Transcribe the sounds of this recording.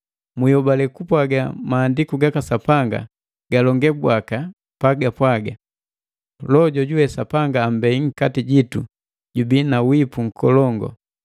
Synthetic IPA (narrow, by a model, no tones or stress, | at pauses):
mujɔbalɛkupwaɡa̰maːndikuɡakasapaŋɡa̰ | ɡ̥alɔŋɡɛbwaka | paɡapwaɡa | lɔɟɔɟuwɛsapaŋɡaːm̩bɛiŋ̩katiɟitu | ɟubinawipuŋ̩kʰɔlɔŋɡɔ̰